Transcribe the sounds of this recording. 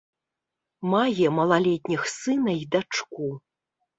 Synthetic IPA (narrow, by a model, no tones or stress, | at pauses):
majʲɛmɐlˠalʲet̪ʲnʲixsɨnɐjd̪at͡ʂkʷu